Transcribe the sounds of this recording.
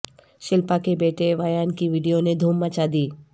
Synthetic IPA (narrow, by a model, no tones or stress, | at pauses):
ʃɪlpakebeːʈeʋajankiʋiɖijoned̪ʱuːmːat͡ʃad̪iː